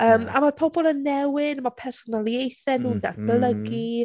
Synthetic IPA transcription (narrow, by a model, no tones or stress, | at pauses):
əːma̰marpʰobɔlˠənːɛwɪdmapʰɛrsɔnalˠjejθɛnuːnda̰rb̥lˠəɡi